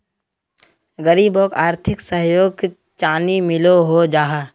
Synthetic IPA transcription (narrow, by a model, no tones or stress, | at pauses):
ɡəɾiːboːkaːɾt̪ʰɪksəɦjoːɡ̚k | t͡ʃaːnimɪloɦod͡ʒaːɦa